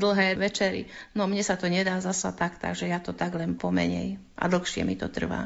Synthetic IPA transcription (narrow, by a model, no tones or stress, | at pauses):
d̪l̩ɦɛːʋɛt͡ʃɛɾḭnɔmɲɛsat̪ɔɲɛd̪aːzasa̰t̪akt̪a̰ɡʒɛjat̪ɔt̪aɡlɛnpɔmɛ̰ɲɛ̰j | ʔa̰d̪l̩xʃɪɛ̰mit̪ɔ̰t̪r̩ʋa̰ː